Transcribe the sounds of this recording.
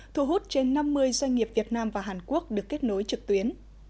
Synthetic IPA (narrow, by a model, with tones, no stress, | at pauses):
t̪ʰṵ˧˩ɦu˦˥t̚t͡ɕe˧nːa˧mːɨ˧əjzwa˧jŋ̟ŋi˨˩əp̚vi˨˩ət̚naː˧mvaː˨˩ɦaː˨˩nku˦˥ək̚ɗɨ˨˩əkːe˦˥t̚no˨˦jt͡ɕɨ˨˩k̚t̪wi˨˦ən